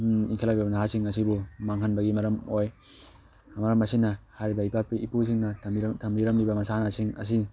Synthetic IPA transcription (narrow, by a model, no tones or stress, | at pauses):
iŋkʰelaɡibɐnaɦasiŋɐs̬ibumaŋɦɐnbɐɡimɐɾɐmoj | amɐɾɐmɐsinɐhaɾibɐipapiʔipus̬iŋnɐtʰɐmɾiɾɐmɾibɐmɐsanasiŋɐ̰s̬i